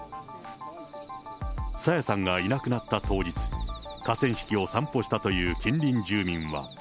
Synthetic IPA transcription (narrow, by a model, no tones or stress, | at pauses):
sajasãŋɡainakɯ̟nat̪ːat̪o̞ːd͡ʑit͡sɨ̥kasẽ̞ɰ̃ɕi̥kʲio̞sãmpo̞ɕi̥t̪at̪o̞jɯːkʲĩnɾʲĩɲd͡ʑɨːmʲĩɰ̃βa̰